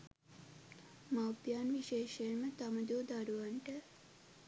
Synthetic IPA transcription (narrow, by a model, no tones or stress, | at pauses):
mawpjaːnʋiʃeːʃejmət̪aməd̪uːd̪aɾuʋaɳʈə